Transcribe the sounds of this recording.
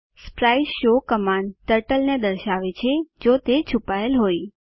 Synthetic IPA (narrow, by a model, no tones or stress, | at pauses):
spɾajʃokəmant̪əɾʈəlned̪əɾʃaʋet͡ʃʰed͡ʒot̪et͡ʃʰupaelɦoj